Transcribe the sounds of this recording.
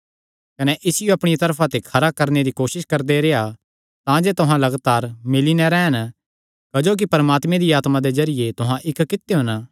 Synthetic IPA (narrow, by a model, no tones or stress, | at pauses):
kɐnɛʔɪsɪjoɐpɽ̃it̪ɐɾpʰat̪ekʰɐɾakɐɾned̪ikoːʃɪskɐɾd̪eɾea | t̪ãd͡ʒet̪ʊɦãlɐɡt̪aːɾmɪlinɛ̃ɾɛːn | kɐd͡ʒoːk̬ipɐɾmaːt̪mẽd̪iaːt̪mãd̪ezɐɾɪjet̪ʊɦãʔɪkkɪt̪ːeɦʊ̃n